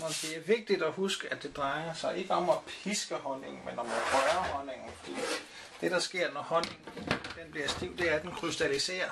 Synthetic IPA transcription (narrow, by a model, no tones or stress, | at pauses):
mɒnd̥e̝æɐʋe̝ɡ̥̚d̥id̥ɒhusɡ̥əæd̥e̝d̥ʁɑ̈ɪɐsɑ̈ɪʔe̝ɡ̥əɒ̽mæpʰisɡ̥əhɒ̽ne̝ŋ̩menɒ̽mæhɒɪɐhɒ̽ne̝ŋn̩fɒd̥ḭː | d̥e̝d̥ɑ̈sɡ̥e̝ɐ̰nɒhɒ̽neŋ̩d̥enb̥liɐsd̥iʊ̰d̥e̝æɐd̥enkʰʁysd̥ælise̝̰ːɐ